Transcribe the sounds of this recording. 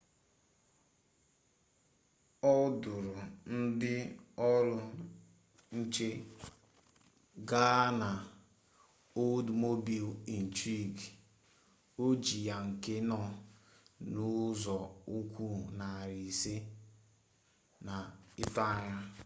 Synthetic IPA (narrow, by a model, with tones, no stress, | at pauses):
ɔ˦dʊ˨ɾʊ˨n̩˦dɪ˦ɔ˦ɾʊ˦ | n̩˦t͡ʃe˦ | ɡa˦na˨ | o˦dmo˦bi˨li˨n̩˨tɾi˦˨ɡ | o˦d͡ʒi˨ja˨ŋ̩˨ke˦nɔ˦˨ | nʊ˦zɔ˨u˦kʷu˦na˨ɾi˨se˦ | na˨ɪ˦ta˦˨ɲa˦